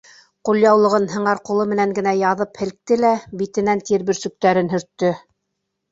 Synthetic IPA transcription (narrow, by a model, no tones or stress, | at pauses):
qulˠjɑwlˠɤ̆ʁɤnɦɤ̆ɴɑɾqulˠɤmɘ̆næŋɡɘ̆næjɑðɤphɘ̆l̆k̚t̪ɘlæbit̪ɘ̆nænt̪iɾβɵ̆ɾsɵ̆k̚t̪æɾɘnɦɵ̆ɾt̪ːɵ